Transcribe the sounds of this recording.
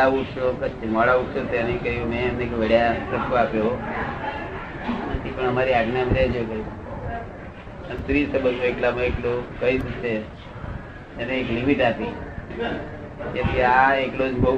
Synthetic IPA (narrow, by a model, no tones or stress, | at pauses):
auʈʃokət͡ʃːmɔɭauʈsot̪ʰenĩkəɦjũmɛ̃əmnekʋeɽjasəkːoapjoo | nət̪ʰipəɳəmaɾiaʈnamɾed͡ʒjokəi | ənt̪ɾisəbənoeklamãeklokəid͡ʒt͡ʃʰe | neːklimiʈapi | ket̪eaeklod͡ʒbə